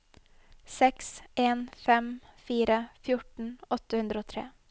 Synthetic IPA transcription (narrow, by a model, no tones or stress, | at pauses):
sɛkseːnfɛmfiːɾəfjʊʈɳ̩ɔt̪əhʉnd̪ɾəoːt̪ʰɾḛː